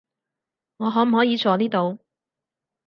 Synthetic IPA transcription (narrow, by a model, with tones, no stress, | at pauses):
ŋɔː˨˧ɦɔː˨˥m̩˨˩hɔː˨˥jiː˨˧t͡sʰɔː˨˥niː˥t̪o˨w